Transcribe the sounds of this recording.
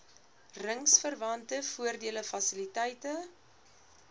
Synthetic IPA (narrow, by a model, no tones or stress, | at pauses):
rəŋsfərvɐntəfuərdiələfɐsilitɛjtə